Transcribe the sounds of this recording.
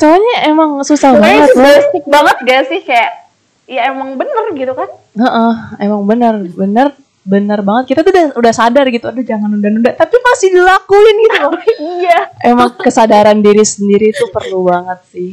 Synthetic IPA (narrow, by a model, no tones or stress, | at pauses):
səaɲaʔemaŋsusahbaŋət̪̚baas̚baŋət̪̚ɡasɪhkajaʔ | jaemaŋbənərɡit̪ukan | əʔəhemaŋbənərbənər | bənərbaŋət̪̚kit̪at̪udahudahsadarɡit̪uadad͡ʒaŋanundanundat̪apimasɪhdilakuɪnɡit̪uijaemaŋkəsadaɾandiɾisəndiɾit̪upərlubaŋət̪̚sɪh